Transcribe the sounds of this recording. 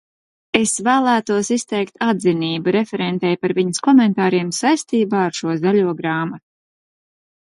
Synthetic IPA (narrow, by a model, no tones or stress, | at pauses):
esvæːlˠæːt̪uɔsist̪ɛjkt̪ʰad̪ziniːbuɾefɛɾɛnt̪ɛjpaɾviɲəskɔmɛnt̪aːɾiɛmsajst̪iːbaːaɾʃuɔzaʎuɔɡɾaːmat̪u̥